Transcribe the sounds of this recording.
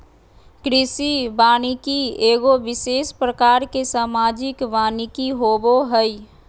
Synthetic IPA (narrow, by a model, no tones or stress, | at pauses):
kɾɪsibaːñikieːɡoʋɪseːspɾəkaːɾkesaːmaːd͡ʒɪkʋaːnɪkiɦoboɦəi